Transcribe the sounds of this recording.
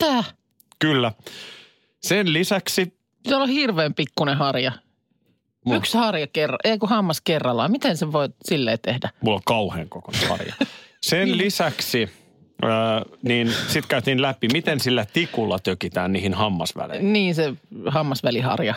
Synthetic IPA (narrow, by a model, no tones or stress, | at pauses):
t̪æː | kylːæ | senlisæksi | sæolhirʋeːmpikːunehɑrjɑ | ykshɑrjɑkerːɑ̰ʔeikuhɑmːɑskerːɑlːɑmit̪enseʋoisilːeːt̪ehdæmulːoŋkɑuhḛːŋkokonehɑ̰rjɑ̰senlisæksi | əːniːnsit̪kæyt̪iːnlæpimit̪ensilːæt̪ikulːɑt̪økit̪æːnniːhinhɑmːɑ̰sʋæ̰lḛniːnsehɑmːɑsʋælihɑ̰rjɑ